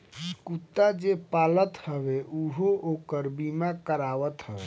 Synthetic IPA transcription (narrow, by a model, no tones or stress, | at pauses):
skut̪ːad͡ʒepalət̪həbeʔuɦoʔokəɾbimakəɾaʋət̪həbe